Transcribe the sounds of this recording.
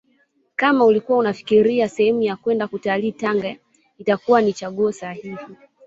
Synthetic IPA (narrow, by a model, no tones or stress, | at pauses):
kamaulikuwaunafi̥kiɾiasɛhɛmujakwɛndakutaliːtaŋɡa | itakuwanit͡ʃaɠuɔsahihi